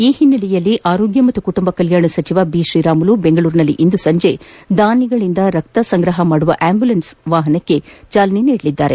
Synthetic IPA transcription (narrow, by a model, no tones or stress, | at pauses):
iːhinːɐlɛjɐlːiʔaːɾo̞ːɡjɐmɐt̪ːukuʈumbɐkɐljaːɳɐsɐt͡ʃiʋabiːʃɾiːɾaːmulubeŋɡɐɭuːɾnɐlːḭʔind̪usɐɲd͡ʒed̪aːniɡɐɭind̪ɐɾɐk̚t̪ɐsɐŋɡɾɐɦɐmaːɽuʋɐʔaːmbjulɐnsʋaːɦɐnɐkːe̞t͡ʃaːlɐniniːɽɐlid̪ːaːɾḛ